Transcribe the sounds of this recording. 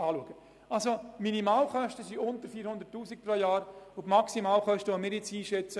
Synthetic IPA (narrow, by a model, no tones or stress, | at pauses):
ɑːluəɡ̥ə | alsominimɑːlχœʃtəsiʊnt̪əɾfiːɾhʊnd̪əɾtːuːsik̚projɑːɾʊtmɑksimɑːlχœʃtəʋomɪːɾjɪt͡siːʃɛt͡sə